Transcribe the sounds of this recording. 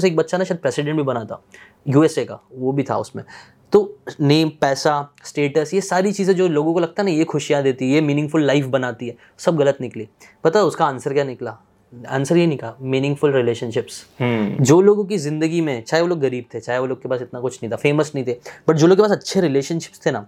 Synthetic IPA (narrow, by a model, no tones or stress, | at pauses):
seːk̚bɐtːʃanaʃaːd̪̚pɾɛːsɪɖɛ̃ɳʈbʱibɐnaːt̪a̰ | juːɛseka̰ʋobʱit̪ʰa̰ʊsmḛ̃ | t̪oːneːmpɛːsasʈeːʈəsjesaːɾit͡ʃiːzẽd͡ʒoːloːɡõkolɐɡ̚t̪aɦɛnajexʰʊʃijãd̪eːt̪iɦɛjemiːnɪ̃ŋɡfʊlːaɪfbɐnaːt̪iɦɛː | sɐbɣɐlət̪nɪkliː | pɐt̪aʊskaaːnsəɾkjaːnɪklaː | ã̰ːnsəɾjenĩkamiːnɪ̃ŋɡfʊlɾɪleːʃənʃɪpsd͡ʒoːloːɡõk̬izɪ̃nd̪əɡimẽt͡ʃaːɦeʋoːloːɡːɐɾiːb̚t̪ʰet͡ʃaːɦeʋoːloːɡkepaːsɪt̪nakʊt͡ʃʰnɐɦĩt̪ʰafeːməsnə̃ɦĩt̪ʰeb̥ɐʈ̚d͡ʒoːloːɡkepasɐtːʃʰeɾɪleːʃənʃɪ̥pst̪ʰenaː